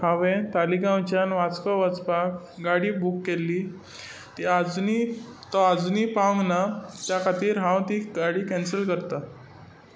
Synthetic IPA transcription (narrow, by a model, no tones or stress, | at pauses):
ãʋẽt̪alikãwt͡ɕjanʋat͡skɔʋət͡spak | ɡaɽiːbʱukːeliː | t̪iad͡zni | t̪ɔad͡znipaə̃ŋɡnat̪jakʰat̪iːɾɦãwt̪iɡaɽiːkɛ̃nsəlkəɾt̪a